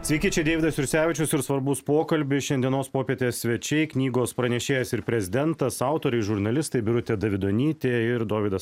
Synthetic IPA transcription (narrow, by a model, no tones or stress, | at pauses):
sʲʋʲɛːkʲiːt͡ʃʲɛɪd̪ʲeːʋʲɪd̪ɐsjʊɾʲsʲæːʋʲɪt͡ʃʲʊsɪɾsʋɐɾbʊspoːkɐlʲbʲɪʃʲɛnd̪ʲiɛnoːspoːpʲiɛt̪ʲeːsʲsʲʋʲɛt͡ʃʲɛɪknʲiːɡoːspɾɐnʲɛʃʲeːjɛsɪɾpʲɾʲɛzʲɪd̪ʲɛnt̪ɐsɑˑʊt̪oːɾʲɛɪʒʊɾnɐlʲɪst̪ɐɪbʲɪɾʊt̪ʲed̪ɐʋʲɪd̪oːnʲiːt̪ʲeːɪɾd̪oːʋʲɪd̪ɐs